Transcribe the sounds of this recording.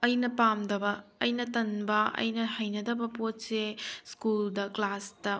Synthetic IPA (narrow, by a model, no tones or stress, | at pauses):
ɐjnɐpamdɐbɐːjnɐtɐnbɐɐ̰jnɐhɐjnɐdɐbɐpot̚seskuldɐklasdɐ